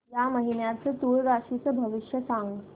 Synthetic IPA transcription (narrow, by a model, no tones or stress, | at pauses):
jaməɦinjat͡sət̪uɾɾaʂit͡səbʱəʋiʂjəsãŋɡ